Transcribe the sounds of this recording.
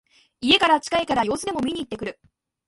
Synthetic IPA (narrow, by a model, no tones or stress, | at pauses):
ie̞kaɾat͡ɕi̥kaekaɾajo̞ːsɨd̪e̞mo̞mʲiɲ̟iːt̪ːekɯ̟ɾɯ̟